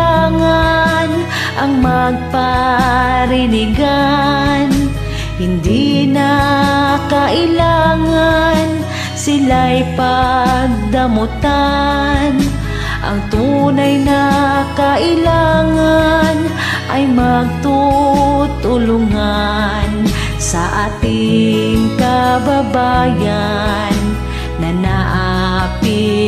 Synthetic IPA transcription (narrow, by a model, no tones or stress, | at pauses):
aŋan | ʔɐŋmɐɡ̚pa | ɾɪnɪɡa | n | hɪnd̪ina | kaʔɪlaŋan | sɪlajpaɡ̚d̪ɐmʊt̪a | n | ʔɐ̰ŋt̪uːnajnɐkaʔɪlaŋan | ʔɐjmɐɡ̚t̪u | t̪ʊlʊŋa | n | sɐʔaːt̪ɪŋkɐbɐbaja | nː | ɐnaʔa | pɪ